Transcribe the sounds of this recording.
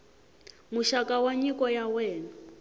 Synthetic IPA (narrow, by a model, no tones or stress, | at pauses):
muʃakawaɲikɔjawɛːna